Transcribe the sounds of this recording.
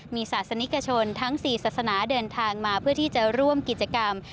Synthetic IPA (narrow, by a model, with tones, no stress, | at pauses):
miː˧saː˨˩t̪̚sa˧ni˦˥ka˧t͡ɕʰo˧nt̪ʰa˦˥ŋsiː˨˩saː˨˩t̪̚sa˧naː˩˦dɤː˧nt̪ʰaː˧ŋmaː˧pʰɯ˥˩ɐt̪ʰiː˥˩t͡ɕa˨˩ɾu˥˩əmki˨˩t̪̚t͡ɕa˧ka˧m